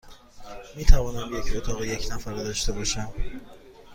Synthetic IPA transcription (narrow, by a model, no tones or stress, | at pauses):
miːt̪ʰævɒːnæmje̞cʰɾot̪ʰɒːɣeje̞cʰnæfæɾd̪ɒːʃt̪e̞bɒːʃæm